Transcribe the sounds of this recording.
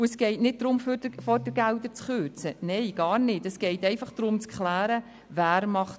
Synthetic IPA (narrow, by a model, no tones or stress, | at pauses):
uəsɡ̥ɛɪtnɪd̚d̥̪ɾʊmffɔɾd̥əɡæld̪əɾt͡sχøːɾt͡sənɛɪjɡ̥ɑːɾnɪtəsɡ̥ɛɪtɛɪfɑχd̥ɾʊmt͡skʰχlæːɾə | væːɾmɑχt